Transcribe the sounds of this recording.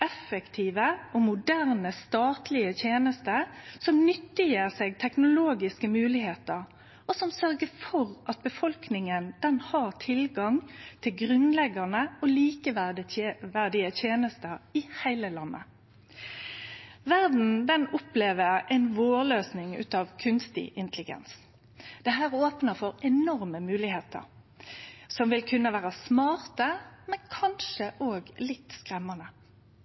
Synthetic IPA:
ɛfəkt̪ʰiːʋəɔmʊd̪æʁnəst̪ɑːt̪lɪət̪ʰjeːnəst̪əsɔmnʏt̪ːɪjeːʁseːɡ̚t̪ʰɛknʊloːɡɪskəmʉːlɪheːt̪əʁ | ɔsɔmsœʁɡəfɔʁʔɑt̪̚bəfɔlknɪŋənd̪̥ɛnhɑʁt̪ʰɪlɡɑŋt̪ʰɪlɡʁʉnlɛɡənəɔliːkəʋdəʋæʁd̪ɪət̪ʰjeːnəst̪əɾɪhæɪləlɑnːə̰ | ʋæʁd̪n̩d̪ɛnʊpleːʋəʁɛɪnʋoːløːsnɪŋʉ̰ːt̪ɑːʋkʰʉnst̪ɪ̰ʔɪnt̪əlɪɡɛ̰ns | d̪̥ɛɦæːʁoːpnəʁfɔʁɛnɔʁməmʉːlɪheːt̪ʰə̰ʁ | sɔmʋɪlkʰʉnːəʋæːʁəsmɑːʁt̪əmɛnkʰɑnʃəʔoːɡlɪt̪skʁɛmːɑnə

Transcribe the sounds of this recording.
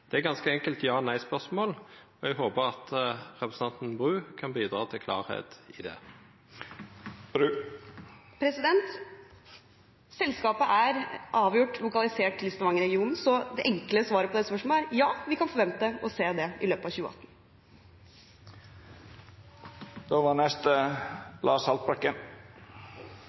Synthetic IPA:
d̪̥ɛæɡɑnskəɛŋkəlt̪jɑːnæɪspœʁsmoːlɔɛɡɦoːbəʁɑt̪ʁɛpɾəsəɑnt̪n̩bʁʉːkʰɑnbiːd̪ʁɑːt̪ʰɪlkʰlɑ̰ːʁhḛːt̪ɪd̪ɛ̰ | pʰɾɛsɪd̪ɛnt̪ | sɛlskɑːpəʔæɾʔɑːʋjʊʈːlʊkɑlɪseːʈ̪ʰːɪlɪst̪ɑʋɑŋɾɛɡɪuːnn̩sɔd̪ɛʔɛŋkləsʋɑːɾəpɔd̪ɛspœʂmɔæɾjɑːʋɪkɑnfɔɾʋɛnt̪əɔseːd̪ɛɪløːpəɑʋçʉːəʔɑ̰t̪ːn̩ | d̪̥oːʋɑːnɛst̪əlʔɑ̰ːsɑlt̪̚bɾɑkːən

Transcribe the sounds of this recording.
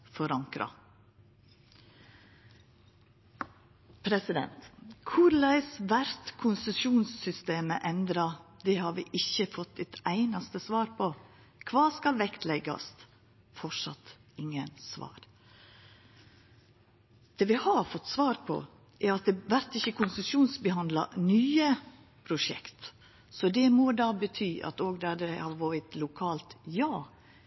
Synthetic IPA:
fɔɾɑŋkɾɑ̰ | pʰɾɛsɪd̪ɛ̰nt̪kʰʊɾlæɪsʋæɾt̪kʰʊnsəsuːnsːʏst̪eːməʔɛnd̪ɾɑd̪ɛhɑɾʋɪʔɪçːəfɔt̪ːɛt̪æɪnɑst̪əsʋɑːɾpʰɔ | kʰʋɑːskɑlʋɛkt̪ʰlɛɡɑ̰st̪ | fɔʂɑ̰t̪ɪŋːənsʋɑ̰ːɾ | d̪̥eːʋɪhɑfɔt̪ːsʋɑːɾpʰɔ̰ | ʔɛɾɑt̪̚d̪ɛʋæɾt̪ɪçəkʰʊnsʉsjuːnsbəɦɑnd̪lɑ̰nyːə | pʰɾʊʂɛ̰kt̪ | sɔd̪ɛmod̪ɑːbət̪ʰyːʔɑ̰t̪oːɡd̪ɑd̪ɛhɑɾʋoːɾət̪lʊkʰɑːlt̪jɑː

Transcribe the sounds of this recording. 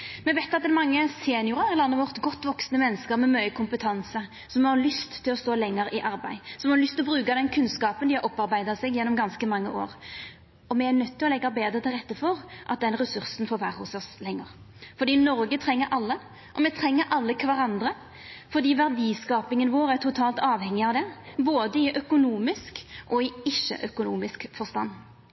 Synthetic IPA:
mɛʋæɪt̪ɑt̪̚d̪ɛnmɑŋːəseːnɪjʊɾɑɾɪlɑnːəʋɔʁt̪ɡɔt̪ːʋɔksnəmɛnːəskəɾmɛmœʏəkʰʊmpət̪ʰɑnsə | sɔmɛhɑɾlʏst̪ʰːɪlɔst̪oːlɛŋːəɾɪʔɑɾbæ̰ɪsɔmɛhɑɾlʏst̪ɪlɔbɾʉːkɑd̪ɛnkʰʉnskɑːpənd̪ɪhɑɾʔɔpːɑɾbæɪd̪ɑsɛɡjɛnːɔmɡɑnskəmɑŋːəʔo̰ːɾ | ɔmɛæɾnœt̪ʰːɪlɔlɛɡːɑbeːd̪ɾət̪ʰɪlʁɛt̪ːəfɔɾʔɑt̪̚d̪ɛnʁɛsʉɾsn̩foːʋæːɾəhʊsɔslɛŋːəɾfɔɾd̪iːnɔɾɡət̪ʰɾɛŋːəɾʔɑlːə | ʔɔmɛt̪ʰɾɛŋːəɾʔɑlːəkʰʋɑɾɑnd̪ɾə | fɔɾd̪iːʋæʁd̪iːskɑːpɪŋənʋoːɾæɾt̪ʰʊt̪ʰɑːlt̪ɑːʋhɛŋːɪɑʋd̪ɛboːd̪əɪʔœkʊnuːmɪskʔɔɪɪʃːə̰ʔœkʊnuːmɪskfɔʁst̪ɑnː

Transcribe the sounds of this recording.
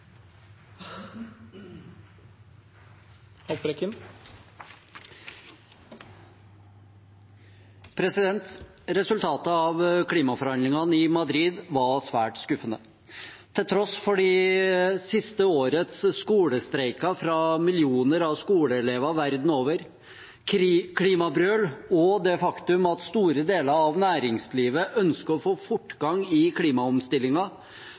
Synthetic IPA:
hɑbɾɛkɪm | pʰɾɛsɪd̪ɛnt̪ | ɾɛsʉlt̪ʰɑːt̪əɑʋkʰliːmɑfɔɾhɑnd̪lɪŋɑnɪmɑd̪ɾiːd̪ʋɑɾsʋæːʈskʉfənə | t̪ʰɪlt̪ʰɾɔsfɔɖiːsɪst̪əoːɾət̪sskuːləst̪ɾɛɪkɑfɾɑmɪljuːnəɾɑʋskuːləɛleːʋɑʋæɾd̪n̩oːʋəɾ | kʰliːmɑbɾøːlɔd̪ɛfɑkt̪ʉmɑt̪st̪uːɾəd̪eːləɾɑʋnæːɾɪŋsliːʋəʔœnskəɔfoːfʊʈːɡɑŋɪkʰliːmɑɔmst̪ɪlːɪŋɑ

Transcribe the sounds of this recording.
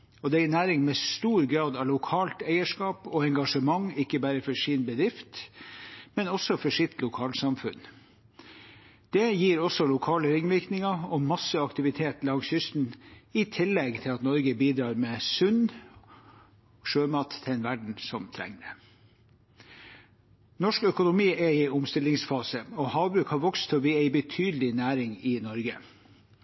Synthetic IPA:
ɔd̪ɛæɪnæːɾɪŋmɛst̪uːɾɡɾɑːd̪ɑlʊkʰɑːlt̪æɪəʂkɑːpɔɛŋɡɑʂəmɑŋɪkːəbæːɾəfɔʂiːnbəd̪ɾɪft̪ | mɛnɔsɔfɔʂɪt̪ʰlʊkʰɑːlsɑmfʉ̰n | d̪̥ɛjiːɾɔsɔlʊkʰɑːləɾɪŋʋɪɾknɪŋɑɔmɑsəɑkt̪ɪʋɪt̪ʰeːt̪lɑɡshʏst̪n̩ɪt̪ʰɪlːɛɡt̪ʰɪlɑt̪nɔɾɡəbiːd̪ɾɑːɾmeːsʉn | ʂøːmɑːt̪ʰːɛɛnʋæɖɳ̩sɔmt̪ʰɾɛ̰ŋd̪ə | nɔʂkœkʊnʊmiːʔɛɪʊmst̪ɪlɪŋsfɑːsəɔhɑːʋbɾʉːkhɑːɾʋɔkst̪ʰɔʋiːæɪbət̪ʰyːd̪lɪnæːɾɪŋɪnɔɾɡə

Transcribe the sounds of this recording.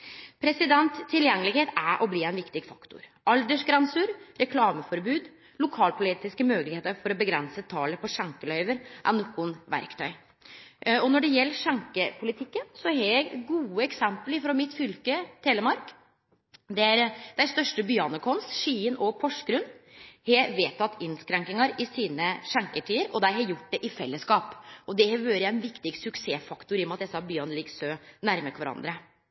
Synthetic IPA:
pʰɾɛsɪd̪ɛnt̪t̪ʰːɪljɛŋːəlɪɡheːt̪æɾʔɔbliːæɪnʋɪkt̪ɪɡfɑkt̪ʊ̰ɾʔɑld̪əʂɡɾɑnsʉɾɾɛkʰlɑːməfɔɾbʉːd̪ | lʊkʰɑːlpʰʊliːt̪ɪskəmøːlɪɡheːt̪əɾfɔɾɔbəɡɾɛnsət̪ʰɑːləpʰɔʂɑŋkəlœʏʋəɾʔæ̰ɾnɔkːʊnʋæ̰ɾkt̪ʰœʏ | ɔnɔɖɛjɛlːəʂɑŋkəpʰʊlɪt̪ʰɪkːənsɔɦɛjæɡɡuːəɛksɛmpəlɪfɾɔmɪt̪fʏlkət̪ʰeːləmɑɾk | d̪ɛæɾd̪̥æɪst̪œʂʈəbʏɑnəkʰɔnst̪ʂiːənɔpʰɔʂɡɾʉnhɛʋeːt̪ʰɑt̪ːɪnskɾɛŋkɪŋɑɾɪsiːnəʂɑŋkəʈʰiːəɾɔd̪æɪhɑjʊʈːd̪ɛʔɪfɛlːəskɑːpɔd̪ɛʋøːɾjæɛnʋɪkt̪ɪɡsʉkseːfɑkt̪ʊɾɪɔmɑt̪ɛsɑbjɑnəlɪɡsøːnæɾməkʋæɾɑ̰nd̪ɾə

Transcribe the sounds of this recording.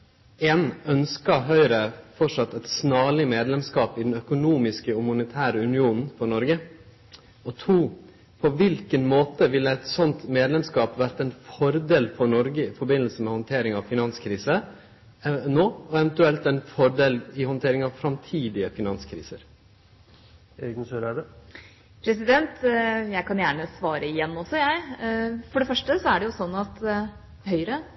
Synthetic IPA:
eːnœnskɑɦœʏɾəfɔʂɑt̪ːɛɪt̪snɑːlɪmeːd̪lɛmskɑːpɪd̪ɛnœkʊnuːmɪskəɔmʊnət̪ʰæːɾəʉnɪuːnn̩fɔɾɳɔɾɡə | ɔt̪ʰuː | pʰɔʋɪlkənmoːt̪əʋɪlːəæɪt̪sɔnt̪meːd̪lɛmskɑːpʋæɾt̪əɛɪnfɔɾd̪eːlfɔnɔɾɡəɪfɔɾbɪnəlsəmɛhɔnt̪ʰeːɾɪŋɑʋfɪnɑnskʰɾiːsə | ɛnoːɔɛʋɛnt̪ʉɛlt̪ɛɪnfɔɾd̪eːlɪhɔnt̪ʰeːɾɪŋɑʋfɾɑmt̪ʰiːd̪ɪəfɪnɑnskʰɾḭːsəɾ | eːɡənsøɾæɖɛ | pʰɾɛsɪd̪ɛnt̪jæɪkʰɑnjæːɳəsʋɑːɾəɪjɛnːɔsːɔjæɪfɔɖɛfœʂʈəsɔæɖɛjʊsɔnːɑt̪ | hœʏɾə

